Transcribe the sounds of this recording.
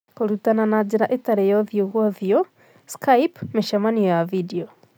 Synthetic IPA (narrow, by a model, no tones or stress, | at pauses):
koɾutananad͡ʑeɾaʔetaɾejɔðjoɣwɔðjɔ | skaipmeʃamanijɔjavideɔ